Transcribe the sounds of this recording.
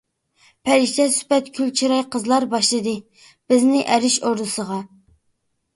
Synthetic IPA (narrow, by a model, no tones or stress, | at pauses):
pʰɛɾɪʃt̪ʰɛsy̥pɛt̪kʲʰylt͡ʃʰiɾɑjqəzlˠɑɾbɑʃlˠɨd̪ɨ | b̥ɪznɪʔɛɾɪʃoɾd̪ɨsəʁɑ